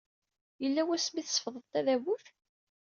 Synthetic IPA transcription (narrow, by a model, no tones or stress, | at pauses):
jəlːæwæsmiθsfðˤəðt̪æðæβuθ